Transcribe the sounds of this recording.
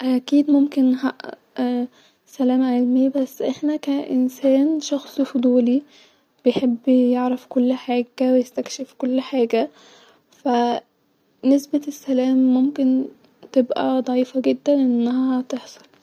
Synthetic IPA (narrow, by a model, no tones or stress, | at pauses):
ʔækiːd̪momkenhæʔ | sælæːmʕelmejbæsːʔeħnækæʔensæːnʃɑxsˤifod̪ˤuːli | b̥ejħebːjeʕɾefkolːħaːɡæwejest̪ækʃefkolːħaːɡæ | fæ | nesbesːælæːmːomken | t̪ebʔæ̰d̪ˤɑʕiːfɑɡed̪ːænʔenːæhææt̪eħsˤɑ̥l